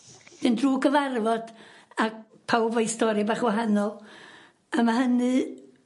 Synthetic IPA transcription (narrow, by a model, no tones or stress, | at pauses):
d̥ɨndruːɡəvarvɔd̥ak | pʰawbajstɔɾibaːχwaɦanɔlˠ | amaɦənɨ